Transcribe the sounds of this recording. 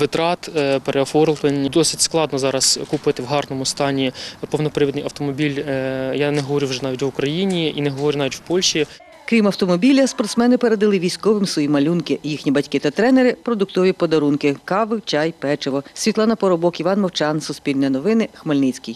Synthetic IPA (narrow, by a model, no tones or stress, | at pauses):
ʋɪt̪ɾɑt̪peɾʔeɔfɔrlˠt̪enʲd̪ɔsɪtʲsklˠɑd̪nɔzɑɾɐskupɪt̪ɪwɦɑrnɔmʊst̪ɑnʲipɔwnɔpɾɪʋid̪nɪjɐwt̪ɔmɔbʲilʲjanɛɦɔʋɔɾʲuwʒɛnɑʋʲitʲʋʊkɾɐjinʲiinɛɦɔʋɔɾʲunɑʋʲitʲwpɔlʲʃi | kɾʲimɐwt̪ɔmɔbʲilʲɐspɔrt̪smɛnɪpeɾed̪ɐlˠɪʋʲijsʲkɔʋɪmsʋɔjimɐlʲunkɪjixnʲibɐtʲkɪt̪ɐt̪ɾɛnɛɾɪpɾɔd̪ʊkt̪ɔʋʲipɔd̪ɐɾunkɪkɑʋɪwt͡ʃʲɑjpɛt͡ʃɪʋɔsʲʋʲit̪lˠɑnɐpɔɾɔbɔkiʋɑnmɔwt͡ʃɑnsʊspʲilʲnjɐnɔʋɪnɪxmɐlʲnɪt͡sʲkʲij